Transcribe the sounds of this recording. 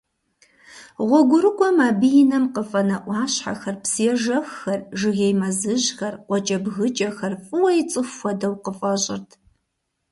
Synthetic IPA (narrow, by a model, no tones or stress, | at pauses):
ʁʷɔɡʷʊɾɨkʷʼɔmaːbɨjɪnɐmqəfʼɐnɐʔʷɑːɕħa̰xɐrpsɨjɛʒɐxːɐrʒɨɣejmɐzɨʑxɐrqʷɔt͡ʃʼɐbɣɨt͡ʃʼɐxɐrfʼɨwɐjɪt͡sʼɨxʷɔdɐwqəfʼɐɕʼɪ̰rtʰ